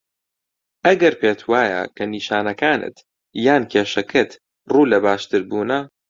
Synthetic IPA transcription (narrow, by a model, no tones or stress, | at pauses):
ʔɐɡɐɾpʰeːt̪ʰwaːjɐ̰kʰɐniːʃaːnɐkaːnʔɨ̰t̪ | jaːnkʰeːʃɐkʰɨt̪ | ruːlɐbaːʃt̪ɨɾbuːnɐ